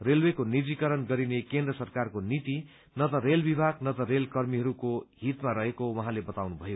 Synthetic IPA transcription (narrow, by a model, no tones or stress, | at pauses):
relwekonid͡zikʌɾʌnɡʌɾinekend̪rʌsʌrkarkonit̪i | nʌt̪ʌrelbibʱaɡnʌt̪ʌrelkʌrmiɦʌɾukoɦit̪maɾʌɦekowʌɦãlebʌt̪awnubʱʌjo